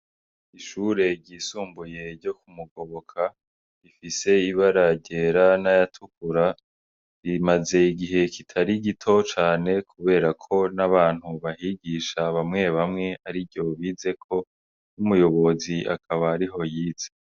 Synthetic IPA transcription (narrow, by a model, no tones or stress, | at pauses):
iʃuɾe̞ɟiːsuːmbuje̞ɾɟo̞kumuɡo̞βo̞kʰa | ifise̞iβaɾaɟe̞ɾanajatʰukuɾa | imaze̞iɡiɦe̞kitʰaɾiɡitʰo̞t͡ʃaːne̞kʰuβe̞ːɾakʰo̞naβaːn̥huβaɦiɡiːʃaβamŋe̞βamŋe̞aɾivjɟo̞βize̞kʰo̞ | umujo̞βo̞ziʔa̰kʰaβaːɾiɦo̞jiːze